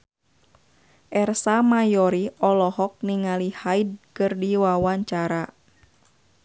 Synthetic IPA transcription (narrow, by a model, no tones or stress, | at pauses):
ʔɛrsamajɔɾiʔɔlɔhɔk̚niŋalihaid̚kɨrdiwawaɲt͡ʃaɾa